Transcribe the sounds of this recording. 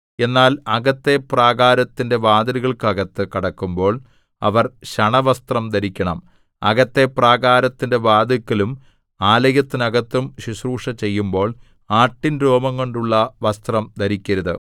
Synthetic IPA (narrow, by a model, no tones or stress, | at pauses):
e̞nːaːlɐɡɐt̪ːe̞praːɣaːɾɐt̪ːinde̞ʋaːd̪ɐɾiɣɐɭkɐɣɐt̪ːɨkɐɽɐkːumbo̞ːɭ | ɐ̰ʋɐrɕɐɳɐʋɐst̪rɐmd̪ɐɾikʲːɐɳɐm | ɐɣɐt̪ːe̞praːɣaːɾɐt̪ːinde̞ʋaːd̪ɐkːɐlum | aːlɐjɐt̪ːinɐɣɐt̪ːumɕisruːʂɐt͡ɕe̞jːumbo̞ːɭ | aːʈːinɾo̞ːmɐŋko̞ɳɖuɭːɐʋɐst̪rɐmd̪ɐɾikʲːɐɾɐðɨ